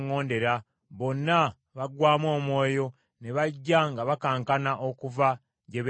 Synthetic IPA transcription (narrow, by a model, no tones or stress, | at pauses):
ŋːo̞ːnde̞ɾa | βo̞nːa | βaɡwaːmwo̞ːmwo̞ːjo̞ | ne̞βaɟːaŋɡaβakaːŋkanaʔokuva | ɟeβ